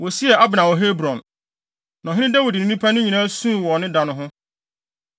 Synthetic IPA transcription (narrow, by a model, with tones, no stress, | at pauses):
wɔ˨si˦ɛ˨a˦bɪ˨nã˨wɔ˨ɦe˦bɾɔ̃˨n | nã˨ɦɪ̃˦nɪ̃˦da˦wi˨dnĩ˨nĩ˦pʰa˦nʊ̃˦ɲĩ˨nã˦sũ˦˨wɔ˨nɪ̃˦dã˨nʊ̃˦ɦʊ̃˦